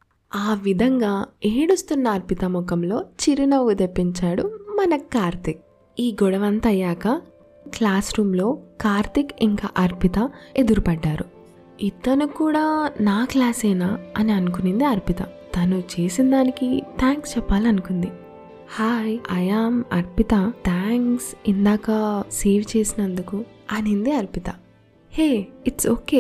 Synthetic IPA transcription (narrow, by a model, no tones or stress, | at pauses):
aːʋid̪ʱɐŋɡaːeːɽust̪unːɐːɾpit̪ɐmɔkɐmlo̞ːt͡ʃiɾinɐʋud̪epːiɲt͡ʃaːɽumɐnɐkaːɾt̪ik̚ | iːɡɔɽɐʋɐnt̪ɐjaːkɐ | klaːsɾuːmlo̞ːkaːɾt̪ikiŋkaːʔɐɾpit̪ɐe̞d̪uɾupɐɖːaːɾu | it̪ːɐnukuːɽaːnaːklaːsɐjnaːɐniɐnukunind̪iɐɾpit̪ɐ̰t̪ɐnut͡ʃe̞ːsind̪aːnikit̪ʰaːŋkst͡ʃɛpːaːliɐnukund̪i | haːjɐjaːmɐ̰ɾpit̪ɐt̪ʰaːŋksind̪aːkɐse̞ːʋt͡ʃe̞ːsinɐnd̪ukuɐnind̪iɐɾpit̪ɐ | heːiʈsoːkeː